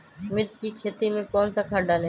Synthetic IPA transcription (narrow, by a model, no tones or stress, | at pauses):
mɪd͡ʒkikʰeːt̪imẽkɔːnsakʰaːɖaːle